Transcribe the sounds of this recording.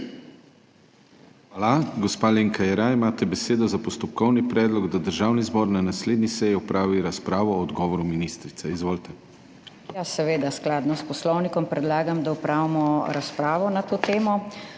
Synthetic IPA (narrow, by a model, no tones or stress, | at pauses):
xʋaːlaɡɔspaːleːŋkajɛɾaimaːt̪ɛbɛseːd̪ɔzapɔst̪ɔp̚kɔwnipɾɛːd̪lɔɡd̪ad̪əɾʒaːwnizbɔːɾnanasleːd̪nisɛjiɔpɾaːʋiɾaspɾaːʋɔːd̪ɡɔːʋɔɾuminist̪ɾit̪sɛizʋoːlt̪ɛ | jasɛʋeːd̪asklaːd̪nɔspɔslɔwnikɔmpɾɛd̪laːɡamd̪aɔpɾaːwimɔɾaspɾaːʋɔnat̪oːt̪eːmɔ